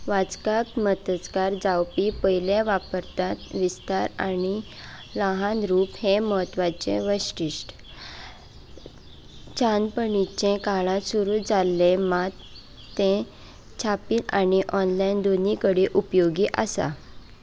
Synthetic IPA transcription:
ʋad͡zkakmət̪ət͡skaɾd͡zawpipəjljẽʋapəɾt̪at̪ʋist̪aɾa̰ni | ləɦãnɾuːpheməɦət̪ʋat͡ɕḛ̃ʋəɕʈiɕʈ | t͡ɕʰanpəɳit͡ɕẽkaɭãsuɾud͡zalːemat̪ː | ẽ | t͡ɕʰapiːnaniʔɔnlajnd̪onikəɽiʔupjoɡiʔasa̰

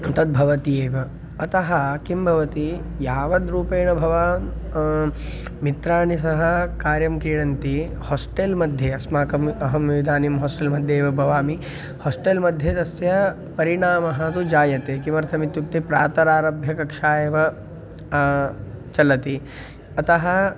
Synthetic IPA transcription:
t̪ɐd̪̚bʱɐʋɐt̪ijeːʋɐ | ɐt̪ɐɦɐkimbʱɐʋɐt̪i | jaːʋɐd̪ɾuːpeːɳɐbʱɐʋaː | mit̪ɾaːɳis̬ɐɦɐkaːɾjɐmkɾiːɽɐnt̪i | hoːsʈelmɐd̪ʱjeːɐsmaːkɐmɐɦɐmiʋid̪ʱaːnimɦoːsʈelmɐd̪ʱjeːʋɐbʱɐʋaːmi | hɔːsʈelmɐd̪ʱjet̪ɐsjɐ | pɐɾiɳaːmɐɦɐt̪ud͡ʒaːjɐt̪eːkimɐɾt̪ʰɐmit̪juk̚t̪ipɾaːt̪ɐɾaːɾɐbʱjɐkɐkʂaːjeːʋɐ | t͡ʃɐlɐt̪i | ɐt̪ɐɦɐ

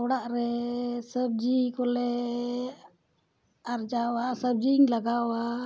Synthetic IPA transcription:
wɽaʔɾɛsəb̚d͡ʒikɔlɛ | aɾd͡ʒawasəb̚d͡ʒiŋlaɡawa

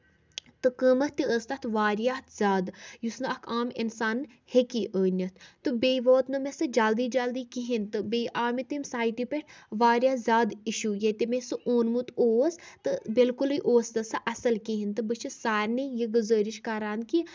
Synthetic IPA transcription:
t̪ɨkəmɐt̪iəːst̪ɐt̪ʰʋaːɾjaːt̪ʰz̥ʲaːd̪jusnɨɐkʰaːmḭnsaːn | hekiʔəːnʲɐt̪ʰt̪ɨbʲeːʋoːt̪nɨmesɨd͡ʒald̪iːd͡ʒald̪iːkiɦint̪ɨbeːjʔaːmit̪imsaːjʈipʲeʈʰʋaːɾjaːzʲaːd̪iʃuːjet̪emesɨʔoːnmut̪oːst̪ɨbilkulɨjʔoːst̪ɐsɨʔɐsɐlkiɦint̪ɨbɨt͡ʃʰisaːɾʲnejiɡuzəːɾiʃkɐɾaːnki

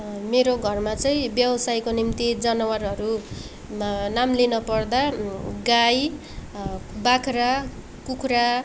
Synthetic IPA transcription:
meɾoɡʱʌrmat͡sʌĩbjʌbʌsajkonimt̪id͡zʌnʌwarʌɾu | namlinʌpʌrd̪aɡaj | bakʰra | kukʰra

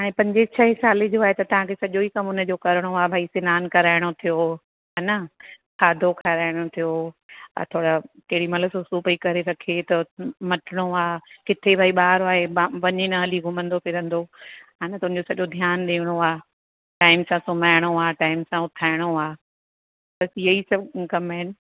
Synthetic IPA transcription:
ɦaːɽ̃ẽpɐ̃ɲd͡ʑet͡ɕʰɐɦɪsaːled͡ʑoaːɦet̪ɐt̪ɐʋ̤ãkʰesɐʄoikɐmʊnəd͡ʑokɐɾɪɽ̃oaːbʱaːisɪnaːnkɐɾaːɪɽ̃ot̪ʰijo | ɦaːnɐ | kʰaːd̪ʱokʰaɾaːɪɽ̃ot̪ʰijoɐ̰t̪ʰoːɽakɐɦɪɽimɐləsusuːpəikɐɾeɾɐkʰet̪ɐmɐʈʰɪɽ̃oaːkɪt̪ʰebʱaːiɓaːɾoaːɦeʋɐɲenɐɐliɡʱʊmə̃nd̪opʰɪɾɐ̃nd̪oɦaːnɐt̪ɐʊñ̆ɲd͡ʑosɐʄod̪ʱjaːnɗeːɽ̃oaː | ʈaːɪmsãsʊmaːɪɽ̃oaːʈaːɪmsãʊt̪ʰaːɪɽ̃oaː | bɐsijɐisɐbkɐmaɪnɪ̆

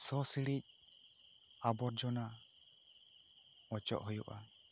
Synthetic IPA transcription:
sɔsiɽɾic̚ˀ | abɔɾd͡ʒɔna | ɔt͡ʃɔ̰ʔhɔjṵʔa̰

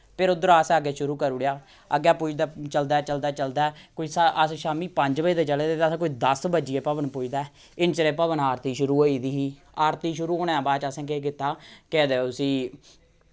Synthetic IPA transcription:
pʰɪɾʊd̪əɾasəɡeːʃʊɾuːkəɾʊɽjaː | əɡːjaːpʊːd͡ʒd̪aːt͡ʃəld̪aːt͡ʃəld̪aːt͡ʃəld̪aːkoiːsaəsʃaːmiːpəɲd͡ʒbəiːd̪eːt͡ʃəleːd̪eːt̪ːsːkoːiːd̪əsbəd͡ʒijeːpəbənpʊːd͡ʒd̪aːɛ | ɪnt͡ʃəɾeːpəβənaːɾt̪iːʃʊɾuːɦoːiːd̪iːɦiː | aːɾt̪iːʃʊɾuːɦoːɽeːãːbaːt͡ʃəsɛ̃ːk̬ek̬ɪt̪ːaːkɛːd̪eːosĩː

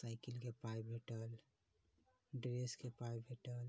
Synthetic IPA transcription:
saɪkilkepajbʱeʈəl | ɖɾeskepajbʱeʈəl

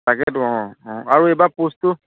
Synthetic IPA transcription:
aɡɛdɔ̃aɾoebaposto

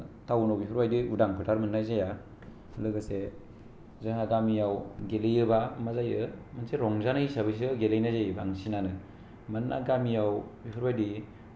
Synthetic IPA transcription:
tawnawbipʰuɾbajdiudaŋpʰɯtʰaɾmɯnːazaja | lɯɡɯse | zaŋaɡamijawɡelejɯbamazajɯmanseɾɔŋzanɯisabɯjs̬ɡelajnajzajɯbaŋsinanɯ | manʔa̰ɡamijawbipʰuɾbajdi

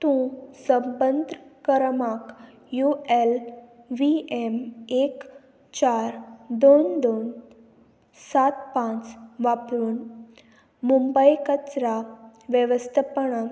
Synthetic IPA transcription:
t̪ũsəmbənd̪ʱkəɾmak | juel | ʋiemek | t͡ɕaɾd̪ond̪on | sat̪pãt͡sʋapɾuːn | mumbəjkət͡sɾaʋjəʋəst̪ʰapəɳa

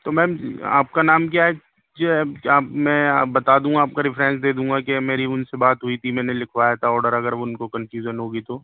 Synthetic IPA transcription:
t̪omɛ̃ːm̰a̰ːp̚kanaːmk̬jaːɦɛ | d͡ʒoɦɛaːpmɛ̃ːbɐt̪aːd̪ũːɡaːp̚kaɾɪfɾɛ̃ːnsd̪eːd̪ũːŋɡakemeːɾiʊnsebaːt̪ɦuit̪ʰimɛ̃ːnelɪkʰʋaːjat̪ʰaɔːɖəɾɐɡəɾʋoʊnkokɐnfjuːʒənɦoːɡit̪oː

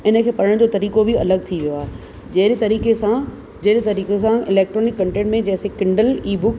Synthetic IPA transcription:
ɪnə̆kʰeːpɐɽ̤əɽ̃d͡ʑoːt̪ɐɾiːkobɪɐləɡ̚t̪ʰiʋijoaːɦe | d͡ʑɐɦɾet̪ɐɾiːkesã | d͡ʑɐɦɾet̪ɐɾiːkesãɪlɛːk̚ʈɾoːnɪkːɐ̃ɳʈẽːɳʈmẽd͡ʑɐ̃ɦɪ̃sekɪ̃ɳɖəliːbʊk

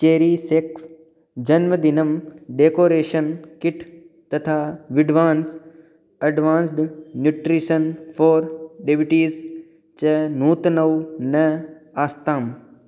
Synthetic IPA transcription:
t͡ɕeːɾiːseks | d͡ʑɐnməd̪ɪnɐmɖeːkoːɾeːʃənkɪʈʰ | t̪ɐt̪ʰaːʋɪɖʋaːns | ɐɖʋãːnsɖnjuʈɾiʃənfʰoːɾɖebiʈiːz | t͡ʃɐnuːt̪nɐʋunɐaːst̪aːm

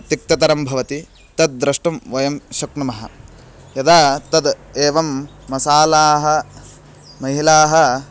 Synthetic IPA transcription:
t̪ik̚t̪ɐt̪ɐɾɐmbʱɐʋɐt̪i | t̪ɐd̪̚d̪ɾɐʂʈɐmʋɐjɐmʃɐkɳɐmɐɦɐ̰ | jɐd̪aːt̪ɐd̪eːʋɐmːɐsaːlaːɦɐ̆ | mɐɦilaːɦɐ̆

